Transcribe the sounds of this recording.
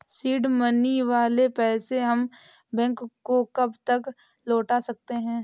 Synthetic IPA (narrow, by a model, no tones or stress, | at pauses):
siːɖməniʋaːlepɛːseɦɐm | bɛ̃ŋkːokɐbt̪ək | loːʈasɐk̚t̪eɦɛ̃ː